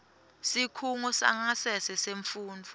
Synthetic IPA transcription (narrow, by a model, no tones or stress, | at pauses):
sikʰuŋɔsa̰ŋasɛsɛseɱfuːnd͡vʱu